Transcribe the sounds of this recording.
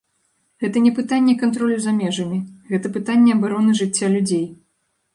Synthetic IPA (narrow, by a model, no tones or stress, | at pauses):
ɣɛt̪ɐnʲɛpɨt̪anʲːɛkant̪ɾɔlʲuzamʲɛʐɐmʲiɣɛt̪ɐpɨt̪anʲːɛɐbaɾɔnɨʐɨt͡sʲːalʲud͡zʲej